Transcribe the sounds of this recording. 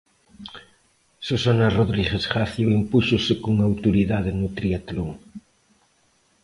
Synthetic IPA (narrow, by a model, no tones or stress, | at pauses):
sosanaroðɾiɣesχaθjoimpuʃosɪkoŋawt̪oɾiðaðɪnʊt̪ɾiat̪loŋ